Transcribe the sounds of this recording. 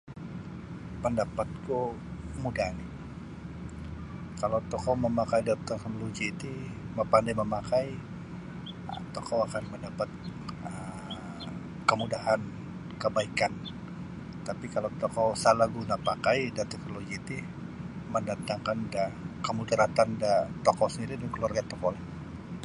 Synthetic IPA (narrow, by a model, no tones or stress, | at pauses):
pəndapat̪̚ku | kəmudaani | kalawt̪ɔkoməmakajdat̪əknoloɡiːt̪i | məpandɛməmakaj | ə̰t̪ɔkowakanməndapat̪̚ə | kəmudaɦan | kəbaikan | t̪apikalawt̪ɔkɔsalaɡunapakajdant̪ɛknoloɡiːt̪i | məndat̪aŋkandakəmudaɾat̪andat̪ɔkɔsəndiɾidankəluarɡat̪ɔkɔla